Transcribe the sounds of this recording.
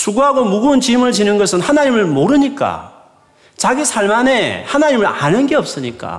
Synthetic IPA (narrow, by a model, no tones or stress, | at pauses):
sʰuɡuɦaɡomuɡuːnt͡ɕimɯɭt͡ɕinɯnɡʌsʰɯnhanaɲimɯɭmoɾɯɲik͈a̰ | t͡ɕaɡisʰaɭmane̞hanaɲimɯɾanɯnɡe̞ʌp̚s͈ɯɲik͈a̰